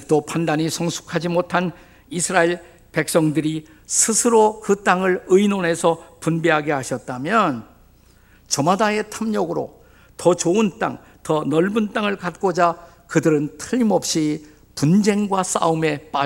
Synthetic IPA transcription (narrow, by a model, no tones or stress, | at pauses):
k̚t͈opandaɲisʰʌŋsʰu̥kʰad͡ʑimotʰan | isʰɯɾaeɭ | pe̞k̚s͈ʌŋdɯɾi | sʰɯsʰɯɾokɯt͈aŋɯɭɯinone̞sʰʌpunbiɦaɡehaɕʰʌt̚t͈amjʌn | t͡ɕʌmadae̞tʰamɲʌɡɯɾo̰ | tʌt͡ɕoɯnt͈a̰ŋ | tʌnʌɭbunt͈aŋɯɭkat̚k͈od͡ʑa | kɯdɯɾɯntʰɯʎimʌp̚ɕ͈i | pund͡ʑe̞ŋɡwas͈a̰ɯme̞p͈a